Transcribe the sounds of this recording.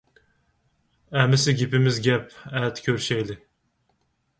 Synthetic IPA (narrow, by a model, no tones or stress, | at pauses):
æmɪsɪɡʲɪpɪmɪzɡʲɛpɛt̪kʲʰøɾʃɛjlɪ